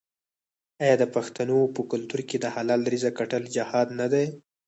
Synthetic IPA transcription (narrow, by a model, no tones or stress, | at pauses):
ɑjɑd̪əpaxt̪anopəkʊlt̪uɾked̪əhalɑlɾizakaʈəld͡ʒɪhɑd̪nad̪aj